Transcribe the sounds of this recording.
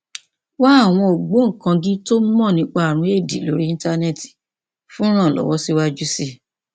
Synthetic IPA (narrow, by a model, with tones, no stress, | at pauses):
wa˦a˦˨w̃ɔ̃˧o˨ɡ͡bo˨˦ŋ̩˨kã˧ɡĩ˦to˦mɔ̃˦˨nĩ˨˧˦k͡pa˧a˨ɾ̃ũ˧˦e˦˨di˨˦˨lo˨˦ɾi˦ĩ˦ta˦ne˦˨ti̥˨ | fũ˦ɾ̃ã˦˨lɔ̰˨˦wɔ˦si˦wa˦d͡ʒu˦si˦